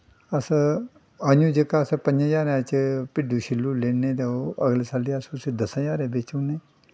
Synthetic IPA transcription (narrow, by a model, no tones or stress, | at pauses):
əs | aɲũːd͡ʒəkaspə̃ɲd͡ʒãd͡ʒaːɾãt͡ʃpɪɖuːʃɪlːuːleːnẽːt̪eoəɡleːsaːliəssiːd̪əsãd͡ʒaːɾeːbeːt͡ʃuːneː